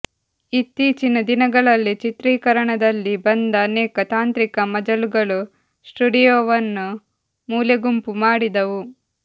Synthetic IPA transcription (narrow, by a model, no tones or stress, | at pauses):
it̪ːiːt͡ʃinɐd̪inɐɡɐɭɐlːit͡ʃit̪ɾiːkɐɾɐɳɐd̪ɐlːibɐnd̪ɐːnɛːkɐt̪aːnt̪ɾikɐmɐd͡ʒɐluɡɐɭu | sʈuɖijoːʋɐnːu | muːljɐɡumpumaːɽid̪ɐʋu